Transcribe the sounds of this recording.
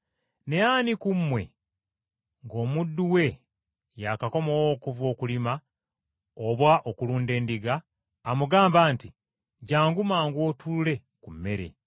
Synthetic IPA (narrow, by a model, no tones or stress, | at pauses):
ne̞jaːnikumːwe̞̰ | ŋɡo̞ːmudːuwe̞ | jakako̞mowoːkuvo̞ːkulima | oβwaʔokuluːnde̞ːndiɡaː | muɡaːmbaːnti | ɟaːŋɡumaːŋɡwo̞ːtʰulle̞ | kumːe̞ɾe̞̰